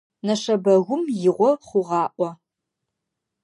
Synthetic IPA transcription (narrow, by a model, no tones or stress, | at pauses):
nɐʂɐbɐɣʷʊmjɪʁʷɔχʷʊʁɑːʔʷɔ